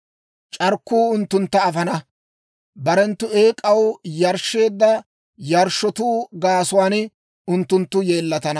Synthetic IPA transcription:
t͡ʃʼɐɾkːuːʊnt̪ːʊnt̪ːɐːfɐnɐ | bɐɾɛnt̪ːʊe̞ːkʼɐwjɐɾʃːe̞ːd̪ːɐ | jɐɾʃːɔt̪uːɡaːsʊwaːn | ʊnt̪ːʊnt̪ːʊje̞ːlːɐt̪ɐnɐ

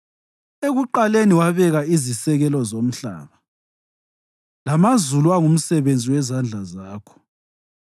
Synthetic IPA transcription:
eɣuǃaleniwaβɛɣaizisɛɣɛlɔzom̩ɬa̰ːβa | lamazuluwaŋum̩sɛβend͡zʱiwɛzand͡ɮʱazaːkʰɔ̥

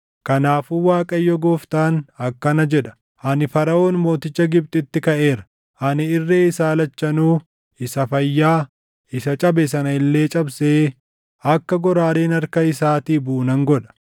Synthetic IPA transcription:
kɐnaːfuːwaːkʼɐjːɔɡoːft̪aːnɐkːɐnɐd͡ʒɛᶑɐ̥ | ʔɐnɪfɐɾɐʔo̞ːnmo̞ːt̪ɪt͡ʃːɐɡɪb̚t̪ʼɪt̪ːɪkɐʔe̞ːɾɐ̥ | ʔɐnɪɪrːeːɪsaːlɐt͡ʃːɐnuː | ɪsɐfɐjːaː | ɪsɐt͡ʃʼɐbɛs̬ɐnɐɪlːe̞ːt͡ʃʼɐbseː | ɐkːɐɡɔɾaːɾeːnɐɾkɐɪsaːt̪iːbuːnɐŋɡɔᶑɐ̥

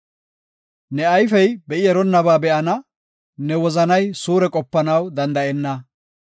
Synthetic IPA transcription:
nɛɐjfɛjbɛʔɪjɛɾɔnːɐbaːbɛʔɐnɐ | nɛwɔzɐnɐjsuːɾɛkʼɔpːɐnɐwd̪ɐnd̪ɐʔɛnːɐ

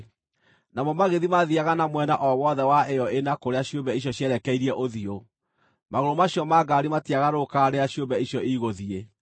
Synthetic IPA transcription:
namɔmaɣeðimaðiaɣanamwɛnaʔɔwɔðɛwaʔejɔenakoɾeaɕjombɛiɕjɔɕjɛɾɛkɛiɾiɛʔoðio | maɣoɾomaɕjɔmaɡaɾimatiaɣaɾokaɾeaɕombɛiɕjɔiɣoðie

